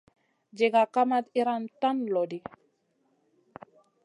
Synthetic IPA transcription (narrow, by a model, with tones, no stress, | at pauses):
d͡ʒe˨ɡa˨ka˦ma˦t̪i˦ɾa˦nta˦nlɔ˨di˨